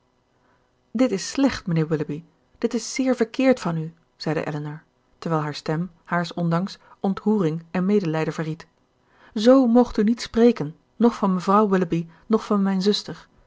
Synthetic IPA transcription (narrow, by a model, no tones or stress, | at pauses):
dɪtɪslɛχtmənɪːɹwɪləbi | d̥ɪtɪsːɪːɹvəɹkɪːɹtfɑny | z̥ɛjdə̰ʔɛ̰lənɑɹ | tɛɹʋɛjlˠɦaːɹstɛm | haːɹsɔndɑŋsʔɔntɦuːrɪŋɛnmejdəlɛjdəv̥əɹrit | zowmɔχtynitsprejkənː | ɔχfɑnməvrɑwwɪləbi | nɔχfɑnmɛjnzɵstəɹ